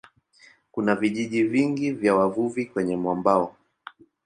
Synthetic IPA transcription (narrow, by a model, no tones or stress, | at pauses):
kunaviʄiʄiviŋɡivjawavuvikwɛɲɛmwambaɔ